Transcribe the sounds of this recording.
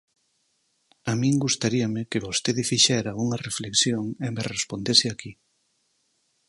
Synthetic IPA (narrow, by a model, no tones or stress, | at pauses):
amĩŋɡust̪aɾiamɪkeβost̪eðɪfiʃɛɾɐuŋɐrefleksjoŋemerespond̪esɪaki